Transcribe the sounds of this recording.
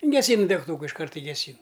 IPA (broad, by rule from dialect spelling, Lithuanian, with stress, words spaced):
ɡʲɛˈsʲiːnʊ dʲɛkˈtuːkɐ ɪʃˈkɐrt ɪ ɡʲɛˈsʲiːn